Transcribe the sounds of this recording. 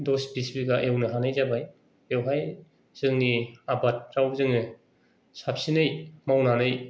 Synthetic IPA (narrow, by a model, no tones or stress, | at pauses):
dɔsbisbiɡaʔewnɯɦanɯjzabaj | ewɦaj | z̥ɯŋniabat̚ɾawzɯŋnɯ | sapsinɯjmawnanɯj